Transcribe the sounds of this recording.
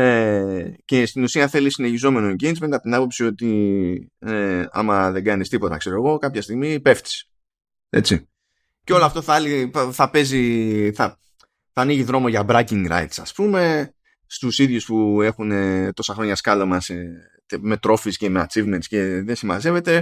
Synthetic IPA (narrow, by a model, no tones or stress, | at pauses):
ece̞st̪inusiɐθe̞lisine̞çizo̞me̞no̞ɲɟenzmed̪ɐpot̪inɐpo̞psio̞t̪i | eɐ̰mɐðe̞ɡɐnist̪ipo̞t̪ɐ̰kse̞ɾo̞eɣo̞kɐpçɐst̪iɣmipe̞ft̪i̥s | e̞̰t͡si | ceo̞loɐft̪o̞θɐliθɐpe̞ziθɐ | θɐːniʝiðɾo̞moʝɐbɾɐciŋɡɾɐ̰it̪sɐ̰spume̞ | st̪usiðʝuspue̞xune̞t̪o̞sɐxɾo̞ɲɐskɐlo̞mɐs | me̞t̪ɾo̞fisce̞mea̰t͡sivmensce̞ðesimɐ̰ze̞ve̞t̪e